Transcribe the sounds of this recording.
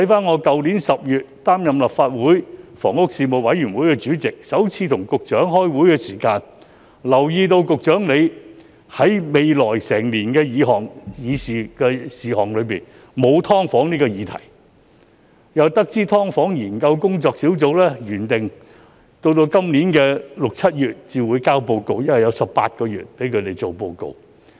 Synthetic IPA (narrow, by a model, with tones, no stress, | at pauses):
t̪ʰɐ˨˥jfaː˥nŋɔː˨˧kɐ˨wni˨˥nsɐ˨p̚jyː˨t̚t̪aː˥mjɐ˨mlɐ˨pfaː˧t̚wuː˨˥jfɔː˨˩ŋʊ˥k̚siː˧mo˨˩wwɐ˨˥jyː˨˩nwuː˨˥jkɛ˧t͡ʃyː˨˥t͡sɪ˨k̚sɐ˨˥wt͡sʰiː˨˧t̪ʰʊ˨˩ŋkʊ˨k̚t͡ʃœː˨˥ŋhɔː˥jwuː˨˥jkɛː˧siː˨˩kaː˧n | lɐ˨˩wjiː˧t̪o˧wkʊ˨k̚t͡ʃœː˨˥ŋle˨˧j | hɐ˨˥jme˨jlɔː˨˩jsɛː˨˩ŋliː˨˩nkɛː˧jiː˨˧ɦɔː˨ŋjiː˨˧siː˨kɛː˧siː˨hɔː˨˩ŋlɵ˨˧ɥpiː˨n | mo˨˧wt̪ʰɔː˥ŋfɔː˨˥ŋniː˥kɔː˧jiː˨˧˥t̪ʰɐ̰˨˩j | jɐ˨wt̪ɐ˥k̚t͡siː˥t̪ʰɔː˥ŋfɔː˨˥ŋjiː˨˩nkɐ˧wkʊ˥ŋt͡sɔː˧k̚siː˨˥wt͡so˨˧wlɛː˥jyː˨˩nt̪ɪ˨ŋ | t̪o˧wt̪̬o˧wkɐ˥mniː˨˥nkɛː˧lʊ˨k̚t͡sʰɐ˥t̚jyː˨t̚t͡siː˨wuː˨˧jkaː˥wpo˧wko˧wjɐ˥nwɐ˨jɐ˨˧wsɐ˨p̚pa̰ː˧t̚kɔː˧jy̰ː˨t̚pe˨˥jkʰɵ˨˧t̪e˨jt͡so˨wpo˧wko̰˨˧w